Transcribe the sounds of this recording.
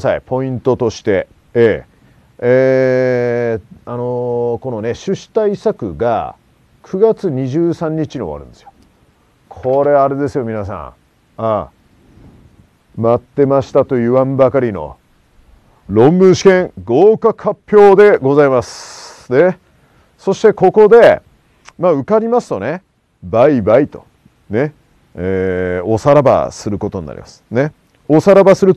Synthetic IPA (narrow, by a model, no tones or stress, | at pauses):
saipʰo̞ĩnt̪o̞t̪o̞ɕi̥t̪e̞ | eː | e | anoko̞no̞ne̞ɕɨɕi̥t̪aisakɯ̟ɡa̰ | kʰɯ̟ɡat͡sɨɲ̟iʑɨːsãɲ̟ːit͡ɕiɲioβa̰ɾɯ̟̃nd̪e̞sɨjo̥ | kʰo̞ɾe̞aɾe̞d̪e̞sɨjo̞mʲinas̬ã̰ | a | mat̪ːe̞maɕi̥t̪at̪o̞jɯ̟βãmbakaɾʲino̞̰ | ɾõ̞mbɯ̃ɰ̃ɕi̥kẽ̞ŋɡo̞ːkakapʲːjo̞ːd̪e̞ɡo̞zaimasɨ̥ne̞ | so̞ɕi̥t̪e̞ko̞ko̞d̪e̞ | maɯ̟kaɾʲimasɨ̥t̪o̞ne̞ | baibait̪o̞ | ne̞ | eːo̞saɾaba̰sɨɾɯ̟ko̞t̪o̞ɲḭna̰ɾʲḭmasɨ̥ne̞ | o̞saɾabasɨɾɯ̟